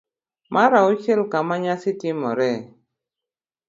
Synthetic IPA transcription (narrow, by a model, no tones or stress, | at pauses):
mʔaɾaot͡ʃelkamaɲasitɪmɔɾɛ